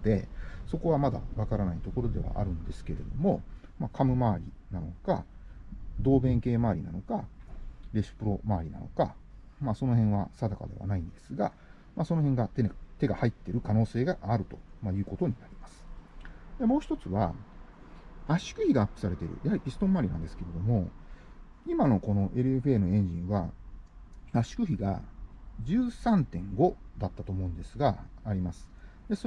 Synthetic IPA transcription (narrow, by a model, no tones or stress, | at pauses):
d̪e̞̰so̞ko̞βamad̪a̰βakaɾanait̪o̞ko̞ɾo̞d̪e̞βa̰ʔa̰ɾɯ̟̃nd̪e̞sɨ̥ke̞ɾe̞̰d̪o̞mo̞makʰamɯ̟maːɾʲḭ | nano̞̰ka | d̪o̞ːbẽ̞ŋke̞ːmaːɾʲinano̞ka | ɾe̞sɨ̥pɯ̟ɾo̞maːɾʲina̰no̞̰ka | maso̞no̞ɦẽ̞ɰ̃βasad̪aka̰d̪e̞̰βa̰naĩnd̪e̞sɨɡa̰ | mʔaso̞no̞ɦẽ̞ŋɡat̪et̪e̞ɡahait̪ːe̞ɾɯ̟kano̞ːse̞ːɡaʔːɾɯ̟t̪o̞̥majɯ̟ːko̞t̪oɲ̟inaɾʲimasɨ̥d̪emoːçi̥t̪o̞t͡sɨβa | aɕi̥kɯ̟çiɡaːpːɯ̟̥saɾe̞t̪eɾɯ̟̰jahaɾʲipʲisɨ̥t̪õ̞mːaɾʲinãnd̪esɨ̥ke̞ɾe̞d̪o̞mo̞ | imano̞ko̞no̞ʔe̞ɾɯ̟e̞ɸɯe̞ːno̞ẽ̞ɲ̟d͡ʑĩɰ̃βa | aɕi̥kɯ̟çiɡa̰d͡ʑɨːsãnt̪ẽ̞ŋɡo̞d̪at̪ːat̪oːmo̞ɯ̟̃nd̪e̞sɨɡaːɾʲimasɨ̥d̪eso